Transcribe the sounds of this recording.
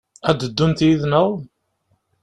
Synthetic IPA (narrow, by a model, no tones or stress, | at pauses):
æd̪əd̪ːunt̪jiðnəðˤ